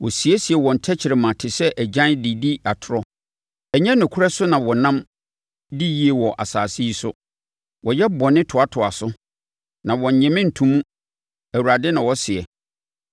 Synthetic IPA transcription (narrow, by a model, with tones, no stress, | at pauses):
wɔ˨si˨ɛ˦si˨ɛ˨wɔ̃˨n̩˨tʰɛ˦t͡ɕʰɪ˨ɾɪ˨mã˨tʰɪ˨sɛ˦ʔæ˨d͡ʑã˦ndi˨di˦a˨tʰʊ˨ɾɔ˦ | ɛ˨ɲɛ̃˦nʊ̃˨kʰʊ˦ɾɛ˦sʊ˦nã˨wɔ˨nã˦m | di˦ji˦e˨wɔ˨ʔa̰˨saː˨si˦i˦sʊ˦ | wʔɔ˨jɛ˦bɔ˨nɪ̃˦tʰʊ˨a˦tʰʊ˨a˨sʊ˦ | nã˨wɔ̃˨ɲ̩˨ɲɛ̃˨mɪ̃˦n̩˨tʰũ˨mũ˦ | æ˨wu˨ɾa˨dɪ˦nã˨wɔ˦sɪ˨ɛ˨